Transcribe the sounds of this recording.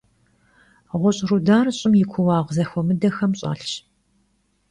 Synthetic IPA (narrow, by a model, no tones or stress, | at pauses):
ʁʷɔɕʼrudaːrɨɕʼɪmjɪkʷʰʊwɑːʁʷzɐxʷɔmɨdɐxɐmɕʼa̰ːɬt͡ʃ